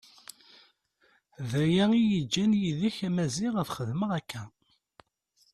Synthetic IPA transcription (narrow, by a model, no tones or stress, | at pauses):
ðæjæijid͡ʒːænjiðiçæmæziʁəθχəðməʁækːæ